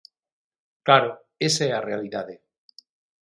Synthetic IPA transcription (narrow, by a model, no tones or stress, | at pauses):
klaɾo | eseearealiðaðe